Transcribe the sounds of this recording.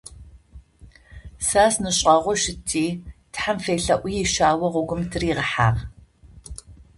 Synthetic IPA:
saːsnɨɕʼɐʁʷɔʃɪtʰːiːtħamfeːɬɐʔʷʊjiʃaːwɐʁʷʊɡʷʊmtʰɨriːʁəħa̰ːʁ

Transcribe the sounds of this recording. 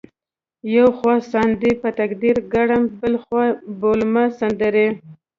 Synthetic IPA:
jawxwɑsɑnd̪ipət̪akd̪iɾɡaɽambəlxwɑbolmasand̪əɾe

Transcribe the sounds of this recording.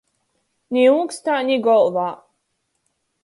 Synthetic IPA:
nʲiukst̪aːnʲiɡɔlˠvaː

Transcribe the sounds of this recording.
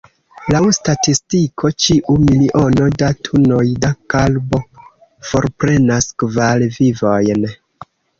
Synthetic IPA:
lawstatistikʰo̞t͡ʃiʔumiliʔo̞no̞datʰuno̞jdakalbo̞ | fo̞ɾpɾe̞naskvalvivo̞jn

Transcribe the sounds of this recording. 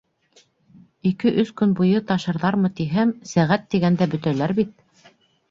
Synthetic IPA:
ikɘʔɵskɵnbujɤt̪ɑʃɤ̆ɾðɑɾmɤt̪iɦæmsæʁæt̪ːiɡænd̪æbɵ̆t̪ælæɾbit̪̚

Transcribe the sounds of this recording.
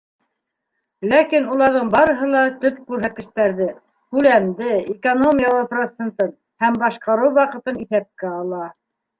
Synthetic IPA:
lækinulˠɑɾðɤɴbɑɾɤ̆ɦɤlˠɑt̪ɵp̚kʉɾɦæt̪̚ɘ̆ʃt̪æɾðɘ | hʉlæmd̪ɘekono̞mʲijɑlˠɤprot̪sent̪ɤn | hæmbɑʃqɑɾɤwwɑqɤ̆t̪ɤniθæp̚kæɑlˠɑ

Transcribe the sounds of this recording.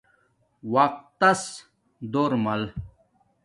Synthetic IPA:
wɐq̚t̪ːɐs | d̪oːɾmɐl

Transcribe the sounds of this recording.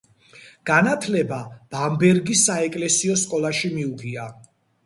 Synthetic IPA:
ɡ̥anat̪ʰlɛbab̥ambɛɾɡisːaɛkʼlɛsiɔskʼɔlˠaʃimiuɡʰia

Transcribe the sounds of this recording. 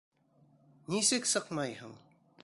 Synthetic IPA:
nisɘksɤqmɑjɦɤɴ

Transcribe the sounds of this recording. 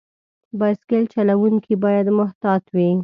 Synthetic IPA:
bɑskelt͡ʃalawuŋkʰibɑjad̪mʊht̪ɑt̪wi

